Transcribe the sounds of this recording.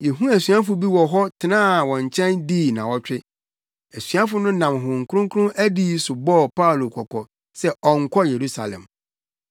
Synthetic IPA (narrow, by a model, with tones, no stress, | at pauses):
jɛ˨ɦũ˦æ˨sɥa˦fʊ˨˦bi˦wɔ˨ɦɔ˦tʰɪ˨nãː˦˨wɔ̃˨ɲ˨t͡ɕʰɛ̃˦ndiː˦˨nã˨wɔ˦t͡ɕᶣɪ˦ | æ˨sɥa˦fʊ˨˦nʊ̃˦nã˨mɦʊ̃˨ŋ̩˨kʰʊ˦ɾʊ̃˦ŋkʰʊ˦ʊ̃˦æ˦diː˦sʊ˨bɔː˦˨pʰa˦u˨lo˨kʰɔ˨kʰɔ˨ | sɛ˦ɔ˨ŋ̩˨kʰɔ˦je˨ɾu˦sa˨lɛ̰̃˨m